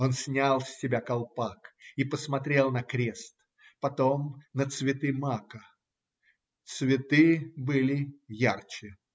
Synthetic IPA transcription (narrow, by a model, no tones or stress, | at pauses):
o̞nsʲnʲalˠsʲːɪbʲakɐlˠpakipəsmɐt̪ɾʲe̞lˠnɐkɾʲe̞st̪ | pɐt̪o̞mnət̪svʲɪt̪ɨmakə | t̪svʲɪt̪ɨbɨlʲɪjart͡ɕɪ